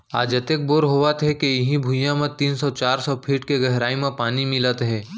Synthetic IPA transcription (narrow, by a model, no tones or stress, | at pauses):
aːd͡ʒɐt̪ek̚boɾɦoːʋət̪ɦɛkeɪɦĩbʱujãmẽt̪iːnsɔt͡ʃaːɾsɔpʰiːʈkeɡɛɦɾaːimẽpaːnimɪlət̪ɦɛː